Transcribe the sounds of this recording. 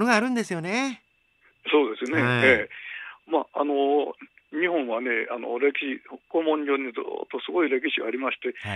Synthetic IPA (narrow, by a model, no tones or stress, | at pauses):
noɡaːɾɯ̟̃nd̪e̞sɨjo̞ne̞ | so̞ːd̪e̞sɨne̞e | maːa̰no̞ | ɲ̟ihõ̞ɰ̃βane̞a̰no̞̰ɾe̞kʲiɕiokomõɲd͡ʑo̞ɲ̟ːid͡zɨ̰ːt̪ːo̞sɨɡo̞iɾe̞kʲiɕiɡaːɾʲimaɕi̥t̪e̞